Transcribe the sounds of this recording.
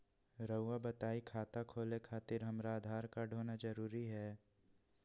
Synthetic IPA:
ɾəʊʋabɐt̪aːikʰaːt̪akʰoːlekʰaːt̪ɪɾɦɐmɾaːd̪ʱaːɾkaɖʱoːnad͡ʒɐɾuːɾiɦɛː

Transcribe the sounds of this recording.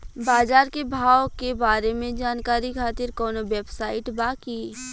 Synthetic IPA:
baːd͡ʒaːɾkebʱaːwkebaːɾemẽd͡ʒaːnkaːɾikʰaːt̪ɪɾkɔːnoʋeːbsaːɪʈbaːki

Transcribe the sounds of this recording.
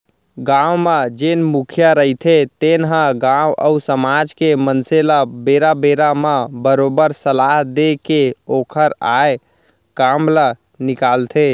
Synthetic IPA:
ɡãwmed͡ʒenmukʰjəɾəɦit̪ʰet̪enɦə̃ɡawʔə̰usəmad͡ʒkemənselabeɾabeɾamabəɾobəɾsəlaɦd̪ekeokʰəɾaj | kamlə | nikalt̪ʰe

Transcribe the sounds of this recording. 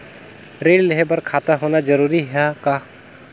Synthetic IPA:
ɾellɦebəɾkʰaːt̪aɦonad͡ʒəɾuɾiɦaka

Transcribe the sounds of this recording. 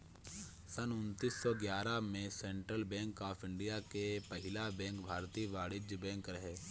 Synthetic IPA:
sənʊnt̪iːsːɔːɡjaːɾamẽsẽːɳʈɾəlbɛ̃ːŋkaːpʰɪ̃ɳɖijakepɐɦɪlabɛ̃ːŋkbʱaːɾt̪iːʋaːɽɪd͡ʒbɛ̃ːŋkɾɐɦeː

